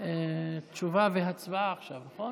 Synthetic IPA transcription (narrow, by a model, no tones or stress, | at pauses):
et͡ʃuvaveɦat͡svaːχʃavnaχo